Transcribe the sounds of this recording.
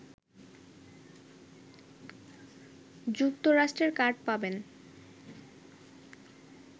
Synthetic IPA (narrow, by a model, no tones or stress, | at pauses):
d͡ʑuk̚t̪oɾaʃʈɾeɾkaɾɖ̚paben